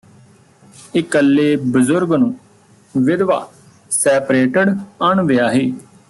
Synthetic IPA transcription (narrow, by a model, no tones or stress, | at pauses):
ɪkəlːeːbəzʊɾɡnũː | ʋɪd̪ʋa̰ː | sɛːpɾeːʈəɖəɳʋɪjaːɦeː